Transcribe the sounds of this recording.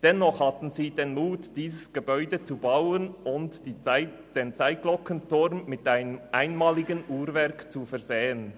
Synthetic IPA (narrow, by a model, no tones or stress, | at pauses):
d̥ɛnːɔχhatn̩ziːdeːnmuːtd̥iːzəsɡ̥əbɔʏdət͡subawənʊnt | d̥eːnt͡saɪt̚ɡ̥lɔkəntʊʁmːɪtʔaɪnəmʔaɪnmaːlɪɡənʔuːɾvɛʁkt͡sufɛɐzeːən